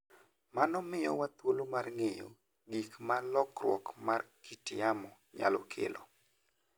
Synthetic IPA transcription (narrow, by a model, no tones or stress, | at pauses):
manɔmɪjɔ̰wat̪wolomarŋejo̰ | ɡikmalɔkrwɔ̰kmarkitɪjamɔ | ɲa̰lɔ̰kʰḛlo̰